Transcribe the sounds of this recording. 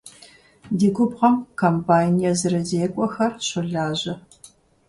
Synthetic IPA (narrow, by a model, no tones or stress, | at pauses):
diːɡʷʊbʁɐmkʰɐmpʰaːnijɐzɨɾɐzeːkʷʼɔxɐrɕʊɮaːʑɐ